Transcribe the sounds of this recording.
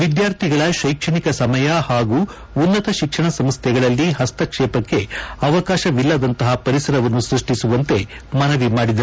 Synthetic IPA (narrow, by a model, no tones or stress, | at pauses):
ʋid̪jaːɾt̪ʰiɡɐɭɐʃɐjkʂɐɳikɐsɐmɐjɐhaːɡuː | nːɐt̪ɐʃikʂɐɳɐsɐmst̪ʰjɛɡɐɭɐlːiɦɐst̪ɐkʂɛːpɐkːe̞ɐʋɐkaːʃɐʋilːɐd̪ɐnt̪ɐɦɐpɐɾisɐɾɐʋɐnːusɾuʂʈisuʋɐnt̪e̞ | mɐnɐʋimaːɽid̪ɐ